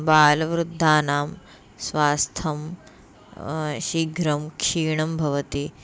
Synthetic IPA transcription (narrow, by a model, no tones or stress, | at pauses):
baːlɐʋɾud̪ʱːaːnaːm | sʋaːst̪ʰɐm | ʃiɡɾɐmkʃiːɳɐmbʱɐʋɐt̪i